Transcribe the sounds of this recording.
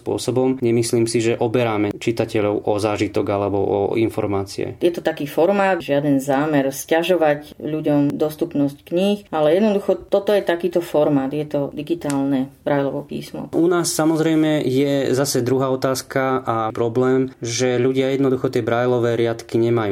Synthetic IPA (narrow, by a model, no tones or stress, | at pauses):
spʊɔ̰sɔbɔmɲɛmisliːmsiʒɛʔɔbɛɾaːmɛt͡ʃit̪acɛʎɔʊʔɔzaːʒit̪ɔɡalɛbɔ̰ʔɔ̰infɔ̰ɾmaːt͡sḭɛ̰jɛt̪ɔt̪akiːfɔɾmaːd̪ʒɪad̪ɛnzaːmɛɾscaʒɔʋacʎuɟɔmd̪ɔst̪upnɔsckɲixalɛjɛd̪nɔd̪uxɔt̪ɔt̪ɔjɛt̪akiːt̪ɔfɔɾmaːt̪jɛt̪ɔd̪iɡit̪aːlnɛbɾajlɔʋɔpḭːsmɔ̰unaːsːamɔzɾɛjmɛjɛzasɛd̪ɾuɦaːɔt̪aːskaʔapɾɔblɛːmʒɛʎuɟɪajɛd̪nɔd̪uxɔt̪ɪɛbɾajlɔʋɛːɾɪat̪kiɲɛmajuː